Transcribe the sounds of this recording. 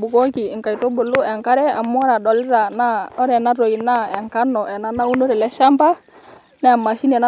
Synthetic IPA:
bu˨ko˦ki˨ŋka˨i˨to˦bo˨lu˦ɛ˨ŋka˦ɾɛ˦a˨mːɔ˦a˦ɾa˨dɔ˨lɪ˦ɾa˨na˦ɔ˦ɾɛ˨na˦ɾo˨i˨na˦ɛ˨ŋka˦nɔ˨ʔɛ˨na˦na˦u˦no˦ɾɛ˨lɛ˦ʃa˦mpa˦ | nɛ˦a˨mːa˨ʃi˦nɛ˨na˦

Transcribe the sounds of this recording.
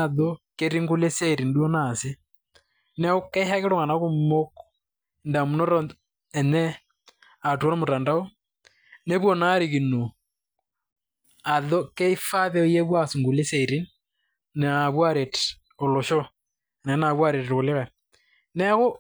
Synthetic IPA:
a˨ðɔ˦ke˦ɾi˦ŋɡu˦le˦se˦ɾi˨ndwɔ˦na˨se˦ | nɛ˦ɣo˦kɛ˦ha˦ke˦ɾo˦ŋa˨na˦ɣo˦mo˦k | nda˨mu˨nɔ˦ɾɔ | ɛ˨nɛ˦ | a˨tu˨ɔ˦ɾɔ˦mo˨ta˨nda˦o˦ | ne˦βwɔ˨na˦ɾi˨ɣi˨no˨ | a˨ðɔ˦ke˦i˦fa˦ðɛ˦o˦je˦βwa˦su˨ŋɡu˨le˦se˨ɾi˦n | n˨a˨βwa˦ɾe˨t | o˨lo˨ʃɔ˦˨ | nɛna˨βwa˦ɾe˨to˨le˦ɾa˨ | nɛ˦ɣo˦

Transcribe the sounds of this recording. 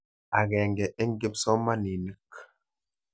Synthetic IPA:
a˨ɡɛ˨ŋɡɛ˨ʔe˦ŋ˦ɡi˦psɔ˦ma˦ni˨ni˦˨k

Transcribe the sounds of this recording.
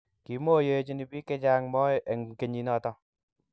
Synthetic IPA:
ki˨mo˦je˦t͡ʃi˦ni˨bi˦kɛ˦d͡ʒa˦ŋmɔː˦ʔe˨ŋ˨ke˨ɲi˨nɔ˦˨tɔ˦

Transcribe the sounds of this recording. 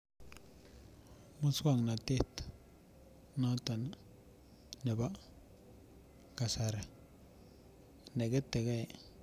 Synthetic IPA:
ma˦ska˦˨ŋna˨te˦t̪ | na˦ta˨n | ne˨ba˦ | ka˨sa˨ɾ | ne˨ɡe˦te˨ɡe˦˨

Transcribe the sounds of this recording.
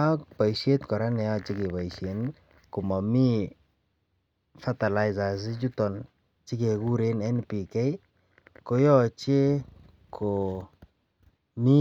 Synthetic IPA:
a˦kpa˨jʃe˦t̪kɔ˨ɾa˦nɛ˨a˦t͡ʃi˦ke˨pa˨jʃe˨n | ko˨ma˨mi˦ | fa˦ta˨la˨jza˨s̬i˦t͡ʃu˦tɔ˨n | t͡ʃi˦ke˨ku˦ɾe˦nɛ˦npi˨kɛ˦j | ko˨jɔ˦t͡ʃe˦ | kʰo˨ | mi˦

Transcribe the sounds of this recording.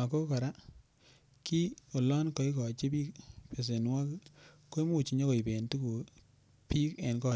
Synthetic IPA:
a˨ko˦ka˨ɾa˦ | ki˦o˨lɔ˦nkɔ˨i˦kɔ˨t͡ʃe˦pi˦kpe˨s̬e˨nwa˦kkːo˦i˦mu˨t͡ʃi˨ɲɔ˦kɔ˨i˨be˨ntu˦ku˨ | pi˦ke˨nkɔ˦˨

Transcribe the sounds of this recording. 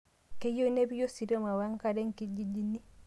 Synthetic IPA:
ke˦jo˦nebi˦jo˦si˨ɾɔma˨waŋkadɛ˦ŋkid͡ʒid͡ʒi˦nːi˦

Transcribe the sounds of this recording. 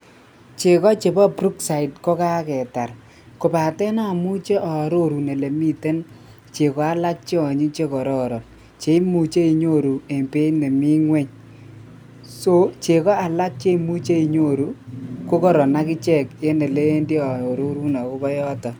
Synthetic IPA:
t͡ʃe˨kɔ˦t͡ʃe˨bɔ˦pɾu˦ksa˨i˨t̚kɔ˦ka˦kɛ˨ta˨r | ko˨pa˨tɛ˦na˦˨mu˦t͡ʃe˦ʔɔ˨ɾo˦ɾu˨ne˨le˨mi˦te˦n | t͡ʃe˨kɔ˨˦a˦la˦k̚t͡ʃe˦ɔ˨ɲi˦t͡ʃe˦kɔ˨ɾɔ˦ɾɔ˨n | t͡ʃe˨˦mu˨t͡ʃe˦i˨ɲo˦˨ɾu˨e˨mpe˦ne˨mi˦ŋwe˦ɲ | so˦t͡ʃe˨kɔ˦a˨la˦k̚t͡ʃe˦mu˦t͡ʃe˦i˨ɲo˦ɾu˦ko˦kɔ˦ɾɔ˨na˦ki˦t͡ʃɛ˦˨ke˦ne˨le˦e˦ndi˦ɔ˨o˨ɾo˦ɾu˦nɔ˨ko˦bɔ˦jɔ˦tɔ˨

